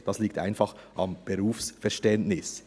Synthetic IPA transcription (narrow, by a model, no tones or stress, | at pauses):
d̥ɑsliːkta̰ɪnfɑχʔɑmb̥eʁuːfsfɛʁʃtɛntnɪs